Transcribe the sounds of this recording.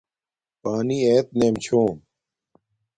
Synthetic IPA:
paːniːeːt̪̚neːmt͡ɕʰoːn

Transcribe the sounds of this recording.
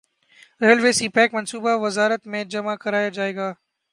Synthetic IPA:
ɾeːəlʋeːsiːpɛːkmɐnsuːbaʋɪzaːɾət̪mẽd͡ʒɐmakɐɾaːjad͡ʒaːeːɡaː

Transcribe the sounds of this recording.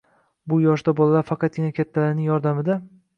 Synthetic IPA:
bʊjɒʃ̬d̪abolˠalaɾfɑqɑt̪̚ɡʲɪnakʲʰat̪ʰːalaɾnɪŋjɒɾd̪amɪd̪a

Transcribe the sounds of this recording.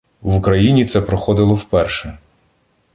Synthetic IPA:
wʊkɾɐjinʲit̪sɛpɾɔxɔd̪ɪlˠɔwpɛrʃɛ

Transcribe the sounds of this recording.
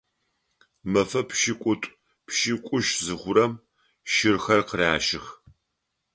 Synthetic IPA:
mɐfɐpʃikʷʼʊtʷʼ | pʰʃikʷʼʊʃzɨχʷʊɾɐm | ʃɪrxɐrqəraːʃɪx

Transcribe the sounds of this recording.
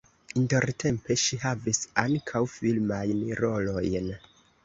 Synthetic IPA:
inte̞ɾtʰe̞mpe̞ʃiɦavisaŋkʰawfilmajnɾo̞lo̞jn

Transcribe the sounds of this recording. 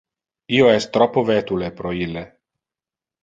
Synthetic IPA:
ioɛst̪ɾɔpːovɛt̪ulepɾoilːe

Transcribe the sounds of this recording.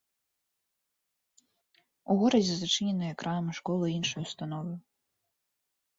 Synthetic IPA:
uɣɔɾɐd͡zʲɛzat͡ʂɨnʲɛnɨjɐɛkɾʔanmɨʂkɔlˠɨinʂujust̪anɔvɨ

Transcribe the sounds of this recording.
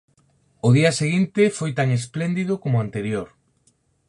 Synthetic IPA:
ʊðiɐseɣint̪efojt̪aŋesplend̪iðʊkomʊant̪eɾjoɾ

